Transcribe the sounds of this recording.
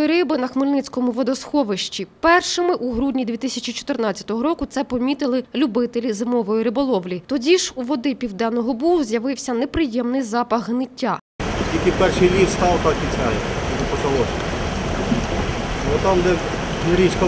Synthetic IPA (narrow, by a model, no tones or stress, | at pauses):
jiɾɪbɪnɐxmɪlʲnɪt͡sʲkɔmʊʋɔd̪ɔsxɔʋɪʃt͡ʃʲipɛrʃɪmɪʔuɦɾudʲnʲid̪ʲʋʲit̪ɪsʲɐt͡ʃʲit͡ʃɔ̥t̪ɪrnɑt͡sʲːɐ̥t̪ɔɦɔɾɔkʊt̪sɛpɔmʲit̪ɪlˠɪlʲubɪt̪elʲizɪmɔʋɔjiɾɪbɔlˠɔʋlʲit̪ɔdʲiʃuʋɔd̪ɪpʲiwd̪ɛnːɔɦɔbuʊzʲjɐʋɪwsʲɐnepɾɪjɛmnɪjzɑpɐɣɦnɪtʲːa | ɔsʲkʲilʲkɪpɛrʃɨjlʲist̪ɑwt̪ɑkʲit͡sʲɑjɛnɛpɔt͡ʃɐlˠɔsʲ | bɔt̪ɑmd̪ɛ | ɾʲit͡ʃkɔ